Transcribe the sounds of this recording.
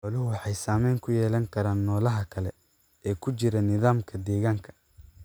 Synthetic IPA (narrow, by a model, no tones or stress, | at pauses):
ħɔlɪɦʊwɑħɑjsaːmɛjŋkʰʊjɛːlɐŋkʰɐɾaːnːɔːlɐɦɐkʰɐlɛ | ɛːkʰʊt͡ʃɪɾɐnɪðaːmkʰɐd̪ɛːɣaːŋkʰɐ̥